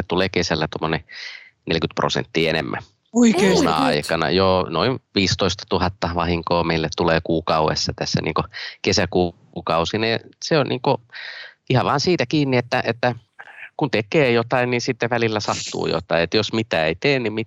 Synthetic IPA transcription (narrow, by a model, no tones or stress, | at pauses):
ett̪uleːkesælːæt̪omːone | nelkyt̪pro̰sḛnt̪ːiːenḛmːæ̰ | oieunɑ̰ɑ̰ikɑnɑ̰joːnoinʋiːst̪oist̪ɑ̥t̪uhɑt̪ːɑʋɑhiŋkoːmeilːet̪t̪uleːkuːkɑuḛsːɑt̪æsːæ̰nḭːŋkokesæku | kɑusineseonniːŋko | ihɑʋɑːnsiːt̪ækiːnːiet̪ːæʔet̪ːæ | kunt̪ekeːjot̪ɑinninsit̪ːeʋælilːæsɑt̪ṵːjo̰t̪ɑiet̪josmit̪æːeit̪eːnnimmi